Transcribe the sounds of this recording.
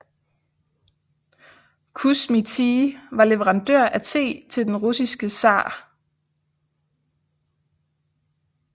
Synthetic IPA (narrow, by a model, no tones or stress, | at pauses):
kʰusmit͡sʰiʋɑ̈leʋəʁɑ̈nd̥øɐ̰ʔæsʰe̝̰ːt͡sʰe̝ld̥enʁusisɡ̥əsɑ̰̈ː